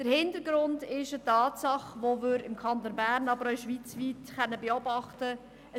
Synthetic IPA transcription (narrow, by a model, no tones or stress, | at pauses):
d̥əɾhɪntəɾɡ̥ɾʊndɪʃətɑːtsɑχʋoʋɪːɾɪmkʰɑnt̪onbæːɾnɑbəɾœʃʋiːt͡sʋiːtχœnːəbeɔbɑχtə | ə